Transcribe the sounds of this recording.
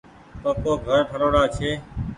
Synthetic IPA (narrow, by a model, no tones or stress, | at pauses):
t̪oːkoːɡʱəɾpʰəɾoːɽaːt͡ʃʰeː